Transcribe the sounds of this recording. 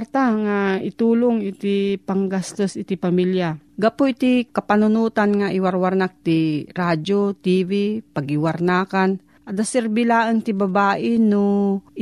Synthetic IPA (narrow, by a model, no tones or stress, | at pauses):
ɾt̪aŋaɪt̪uːloŋɪt̪ɪpaŋɡast̪osʔɪt̪ɪpamiljaɡapoɪt̪ikɐpanʊnut̪anŋaʔɪwaɾwaɾnak̚t̪iɾad͡ʒot̪ivipɐɡɪwaɾnaːkan | ʔad̪asɛɾbɪlaːʔənt̪ɪbabaːʔɪno